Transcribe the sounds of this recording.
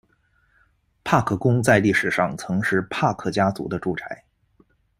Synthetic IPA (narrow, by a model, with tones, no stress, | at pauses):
pʰa˥˧kʰɤ˥˩kʊ˥ŋt͡sa˥˧ɪli˥˩ʂɻ̩˨˩ʂɑ˥˩ŋt͡sʰɤ˧˥ŋʂɻ̩˥˧pʰa˥˩kʰɤ˥˩t͡ɕja˥t͡sṵ˧˥d̪ə˧ʈ͡ʂu˥˩ʈ͡ʂʰa˧˥ɪ